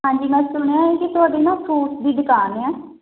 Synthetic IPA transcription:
ɦãːɲd͡ʒiːmɛ̃ːsʊɽ̃eãːeːket̪ʊɦaːɖeːnãːpʰɾuːʈd̪iːd̪ɪkaːneɛː

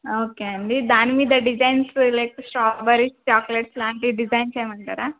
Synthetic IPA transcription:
oːkeːɐɳɖid̪aːnimiːd̪ɐɖid͡ʒɐjnslɐjksʈaːbɐɾist͡ʃaːkleʈslaːɳʈiɖid͡ʒɐjnt͡ʃeːjɐmɐɳʈaːɾaː

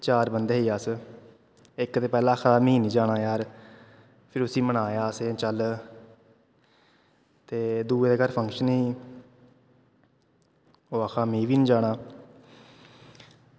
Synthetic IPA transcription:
t͡ʃaːɾbənd̪eːɦiːaːs | ɪkt̪eːpɛːlãːkʰaːmĩːnĩːd͡ʒaːɽaːjaːɾ | pʰɪɾʊsĩːmənaːjaːset͡ʃəl | t̪eːd̪uːd̪eːkəɾpʰəŋkʃəniː | oːəkʰaːmĩːʋiːnĩːd͡ʒaːɽ̃aː

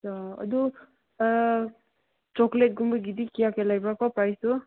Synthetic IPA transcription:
saʌ̰d̪u | t͡ʃɔklet̚ɡumbaɡidikijakelajbakʰɔpɾajsu

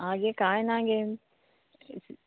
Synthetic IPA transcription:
ãːɡekaːẽnãːɡe

